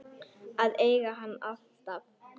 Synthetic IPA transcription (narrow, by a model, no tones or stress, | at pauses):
aðeːjɣaɦanːalt̪av